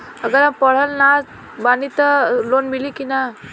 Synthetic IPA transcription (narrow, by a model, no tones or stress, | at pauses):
əɡəlãpəɭ̤əlnad͡z | banit̪əlonmilikina